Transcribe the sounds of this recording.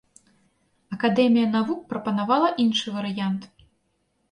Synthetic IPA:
ɐkad̪ɛmʲijɐnavuk̚pɾɐpɐnavalˠɐʔinʂɨvɐɾɨjant̪

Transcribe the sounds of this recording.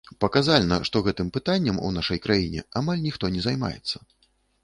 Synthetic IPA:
pɐkazalʲnɐʂt̪ɔɣɛt̪ɨmpɨt̪anʲːɐmṵnaʂɐjkɾajinʲɛ̰amalʲnʲixt̪ɔnʲɛzajma̰jɛ̰t̪sːɐ̥

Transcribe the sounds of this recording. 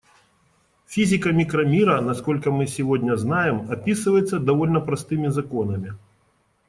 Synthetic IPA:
fʲizʲikɐmʲikɾɐmʲiɾɐnaskɔlʲkɐmɨsʲivɔdʲnʲɐznajɛmapʲisɨvɐjɛt̪sːɐd̪ɐvɔlʲnɐpɾɐst̪ɨmʲizɐkɔnɐmʲi

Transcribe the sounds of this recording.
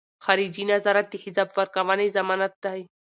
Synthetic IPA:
xaɾid͡ʒinazaɾat̪ːihisabfəɾkaʋaneizɐmanat̪ːaɦi

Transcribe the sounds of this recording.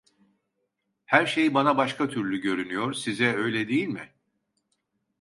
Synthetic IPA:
hæɾʃe̞jibanabaʃkʰat̪ʰyɾlʲyɟø̞ɾynyjo̞ɾsizɛø̞jlʲɛd̪ejilʲmɪ

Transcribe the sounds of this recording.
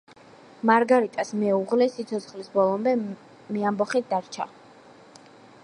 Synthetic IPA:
maɾɡaɾit̪ʼasmɛuʁlɛsit̪sʰɔt̪sʰχlisbɔlˠɔmd̪ɛ | miambɔχit̪̚d̪aɾt͡ʃʰa̰

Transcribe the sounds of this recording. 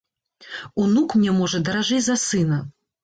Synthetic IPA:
unukmnʲɛmɔʐɐd̪ɐɾaʐɨt͡sʲzɐsɨnɐ

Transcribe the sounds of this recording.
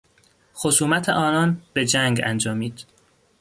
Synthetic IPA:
xosuːmæt̪ʰeʔɒːnɒːnb̥e̞d͡ʒæŋɡænd͡ʒɒːmiːd̪̥

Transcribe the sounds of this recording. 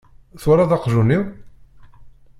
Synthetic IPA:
θʊɾˤɑðˤɑqʒuniw

